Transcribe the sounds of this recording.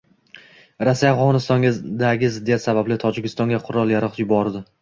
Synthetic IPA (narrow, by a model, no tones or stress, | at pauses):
ɾasːijafʁɒnɪst̪ɒŋʲd̪aɡʲɪzɪd̪ːijat̪sabablɪt̪ʰɒd͡ʒɪkʲɪst̪ɒŋɡʲaqʰʊɾɒlˠjaɾɨq̪jʊbɒɾd̪ɪ